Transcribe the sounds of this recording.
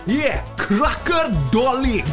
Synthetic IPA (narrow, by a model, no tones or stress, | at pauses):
jɛkʰɾakərdɔli